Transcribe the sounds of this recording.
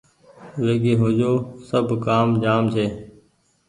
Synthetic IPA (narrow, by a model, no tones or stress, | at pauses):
ʋeːɡeːɦod͡ʒoːsəbʱkaːmd͡ʒaːmt͡ʃʰeː